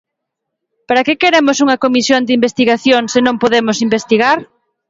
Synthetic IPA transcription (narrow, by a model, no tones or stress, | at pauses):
paɾɐkɪkeɾemʊsuŋɐkomisjond̪ɪimbest̪iɣaθjoŋsɪnõŋpoðemʊsimbest̪iɣaɾ